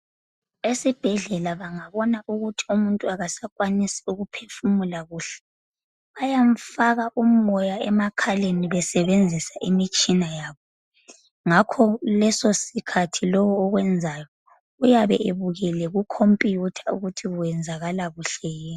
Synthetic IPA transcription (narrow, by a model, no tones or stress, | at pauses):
esib̥ʱɛɮɛlaβaŋaβɔnaʔuɣutʰi̥umuntʼuaɣasakʼwanisi̥uɣupʰefumulaɣuːɬɛ̥ | βajaɱ̩faɣaʔum̩ɔjaɛmakʰaleniβɛsɛβend͡zʱisaʔimit͡ʃʼinajaːβɔ | ŋakʰɔlɛsosikʰatʰilɔwɔːɣwɛnd͡zʱajɔ | ujaβɛ̰ʔeβuɣɛlɛɣukʰompʼijutʰḁuɣutʰiɣuwɛnd͡zʱaɣalaɣuɬɛjɛ